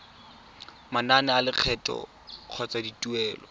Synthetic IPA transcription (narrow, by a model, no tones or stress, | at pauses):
mananɪalɪq͡χʰɛtʼɔ̰ | q͡χʰɔt͡saditʼuɛːlɔ